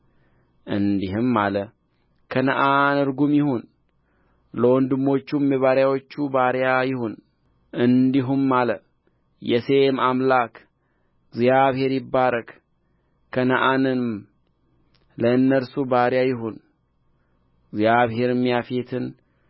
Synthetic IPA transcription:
ʔɨnd̪iɦɨmːalə | kʰənəʔanɨɾɡumjɪhon | ləwɔnd̪ɨmːo̞t͡ʃːumjɛβaɾjawo̞t͡ʃːubaɾjajɪhon | ɨnd̪iɦumːalə | jɛse̞mamlak | ɡzjaβhe̞ɾjɪbːaɾək | kʰːənəʔanɨnm | ləɨnːəɾsubaɾjajɪɦun | ɡzjaβɦe̞ɾɨmːijafet̪ʰɨn

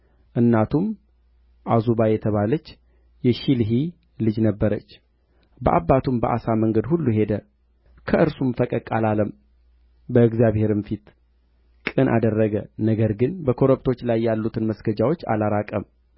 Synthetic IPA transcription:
ʔɨnːat̪ʰum | ʔazubajɛt̪ʰəβalət͡ʃː | jɛʃilɦi | lɨd͡ʒnəbːəɾət͡ʃː | bəʔabːat̪ʰumbəʔa̰saməŋɡəd̪hulːuɦe̞d̪ə | kʰəʔɨɾsumfəkʼəkʼalaləm | bəɨɡzjaβhe̞ɾɨmfit̪ | kʼɨnʔa̰d̪ərːəɡənəɡəɾɡɨnbəkʰo̞ɾəbt̪ʰo̞t͡ʃːlajːalːut̪ʰɨnməsɡəd͡ʒawo̞t͡ʃːa̰laɾakʼəm

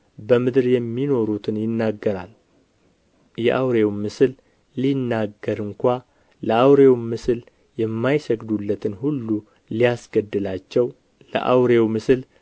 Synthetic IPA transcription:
bəmɨd̪ɨɾjɛmːino̞ɾut̪ʰɨnjɪnːaɡːəɾa̰l | jɛ̰ʔawɾe̞wmɨsɨlː | inːaɡːəɾɨŋkʷa | ləʔawɾe̞wmɨsɨl | jɛmːajsəɡd̪ulːət̪ʰɨnhulːu | lijasɡ̥əd̪ːɨlat͡ʃːɛw | lə̰ʔa̰wɾe̞wmɨsɨl

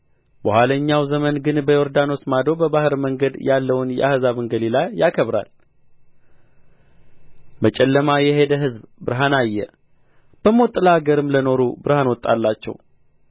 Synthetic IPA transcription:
bəhʷwaləɲːawzəmənɡɨnbəjo̞ɾd̪ano̞smad̪o̞bəβahɨɾməŋɡəd̪jalːəwnjɛ̰ʔahzaβɨŋɡəlilajːakʰəβɾa̰l | mət͡ʃʼɛlːəmajɛhe̞d̪əɦɨzbbɨɾɦanajːɛ̰ | b̥əmot̪ʼːɨlaɡəɾɨmləno̞ɾubɨɾhanwɔt̪ʼːalːat͡ʃːɛ̰w

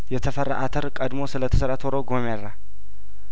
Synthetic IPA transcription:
jɛt̪ʰəfərːa̰ʔat̪ʰəɾkʼəd̪mo̞sɨlət̪ʰəsəɾat̪ʰoɾoɡomerːa

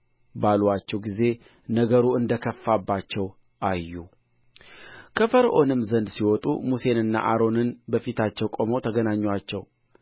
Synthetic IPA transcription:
balwat͡ʃːɛwɡize̞ | nəɡəɾuɨnd̪əkʰəfːabːat͡ʃːɛw | ʔajːu | kʰəfəɾʔo̞nɨmːzənd̪siwɔt̪ʼṵmuse̞nɨnːa̰ʔaɾo̞nɨnbəfit̪ʰat͡ʃːɛwkʼo̞mowt̪ʰəɡənaɲːwat͡ʃːɛw

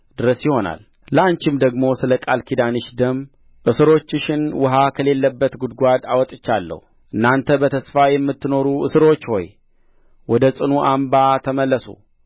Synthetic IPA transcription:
d̪̥ɨɾəsjɪho̞na̰l | laɲt͡ʃɪmd̪əɡmo̞sɨləkʼalkʰid̪anɨʃd̪əm | ʔɨsɨɾo̞t͡ʃːɨʃɪnwʊɦakʰəle̞lːəbːət̪ɡud̪ɡʷad̪awɔt̪ʼɨt͡ʃːalːə̰hu | ʔɨnːant̪ʰəbət̪ʰəsfajɛmːɨt̪ːɨno̞ɾuʔɨsɨɾo̞t͡ʃːho̞̰j | wɔd̪əsʼɨnuʔambat̪ʰəməlːəsṵ

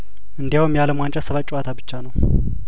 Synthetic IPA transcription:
ʔɨnd̪ijawmjaləmwant͡ʃʼɛsəβat͡ʃʼuat̪ʰabɨt͡ʃːanəw

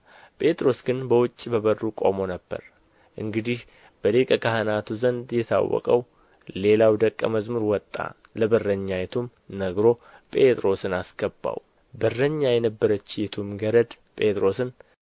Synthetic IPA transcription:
pʼe̞t̪ʼɾo̞sɡɨnbəwʊt͡ʃʼːibəβərːukʼo̞̰mo̞nəbːə̰ɾ | ʔɨŋɡɨd̪ih | b̥əlekʼəkaɦənat̪ʰuzənd̪jɛt̪ʰa̰wːɔ̰kʼəw | le̞lawd̪əkʼːəməzmɨɾwɔt̪ʼːa̰ | ləbərːəɲːajɛt̪ʰum | nəɡɾo̞pʼe̞t̪ʼɾo̞sɨnasɡ̥əbːa̰w | bərːəɲːajɛnəbːəɾət͡ʃːjɛt̪ʰumɡəɾəd̪ | pʼe̞t̪ʼɾo̞sɨn

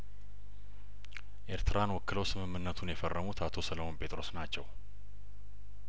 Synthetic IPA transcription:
ʔe̞ɾt̪ʰɨɾanwɔkːɨləwsɨmɨmːɨnːət̪ʰunjɛfərːəmut̪ʰat̪ʰo̞sələmo̞npʰe̞t̪ʼɾo̞snat͡ʃːɛw

